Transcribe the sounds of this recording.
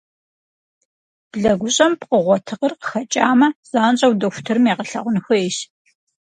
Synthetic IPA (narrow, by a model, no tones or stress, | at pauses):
b̥ɮɐɡʷʊɕʼɐmpqəʁʷɔtʰɨqərqə̥xɐt͡ʃʼaːmɐz̥aːnɕʼɐwdɐxʷʊ̥tʰɨrɨmeːqəɬɐ̰ʁʷʊnɨxɐeʃ